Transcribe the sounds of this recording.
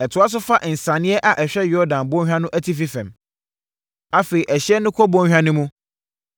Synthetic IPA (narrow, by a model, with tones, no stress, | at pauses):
ɛ˨tʰʊ˨˦a˦s̬ʊ˦fa˦ʔn̩˨sã˨nɪ̃˦ɛ˦ʔa˨ʔɛ˨ɕᶣɛ˦jɔ˦dã˨nbɔ̃˦hᶣã˦nʊ̃˦ʔæ˦tʰi˦fi˦fɛ̃˨m | a˦fe˨i˨ʔæ˨ɕɪ˦ɛ˦nʊ̃˦kʰɔ˦bɔ̃˦hᶣã˦nʊ̃˦mũ˦